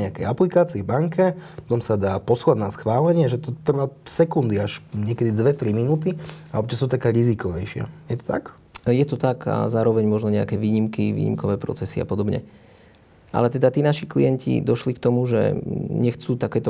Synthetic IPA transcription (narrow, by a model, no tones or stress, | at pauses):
ɛakɛjaplikaːt͡siːbaŋkɛpɔt̪ɔmsad̪aːpɔslad̪nasxʋaːlɛɲɪɛʒɛt̪ɔt̪r̩ʋaːsɛkund̪iaʃɲɪɛkɛd̪id̪ʋɛt̪ɾiminuːt̪iaɔp̚t͡ʃasuːt̪akɛːɾizikɔʋɛjʃɪa̰jɛt̪ɔ̥t̪ak | jɛt̪ɔt̪aka̰zaːɾɔʋɛɲmɔʒnɔɲɛa̰kɛːʋiːɲimkiʋḭːɲḭmkɔʋɛːpɾɔ̰t͡sɛsia̰pɔd̪ɔbɲɛ̰ | ʔa̰lɛt̪ɛd̪at̪iːnaʃiklḭjɛncḭd̪ɔʃlikt̪ɔmuʒɛ̰ɲɛxt͡suːt̪akɛːt̪ɔ